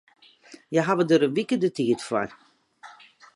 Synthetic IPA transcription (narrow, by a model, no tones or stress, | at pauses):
jaɦaʋədəɾəʋikədətiətfa̰j